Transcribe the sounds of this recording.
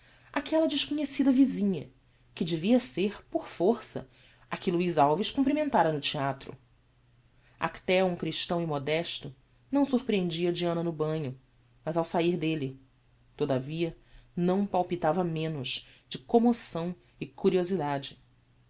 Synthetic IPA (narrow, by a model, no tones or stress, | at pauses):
akʰɛlɐd͡ʒɪʃkoɲesid̪ɐvizĩɲɐ̰ | kɪd͡ʒɪviɐseɾpoɾfoɾsɐ̰ | ɐkɪluizawviʃkũmplimẽnt̪aɾɐnʊt͡ʃiat̪ɾʊ̰ | a̰kt̪ɛwũkɾiʃt̪ɐ̃w̃imod̪ɛʃt̪ʊ | nɐ̃w̃suɾpɾiẽnd͡ʒiɐd͡ʒiɐ̃nɐnʊbɐ̃ɲʊ | mɐzawsaiɾd̪eli | t̪od̪aviɐnɐ̃w̃pawpit̪avɐmẽnʊʃ | d͡ʒɪkomosɐ̃w̃ | ɪkuɾiozid̪ad͡ʒɪ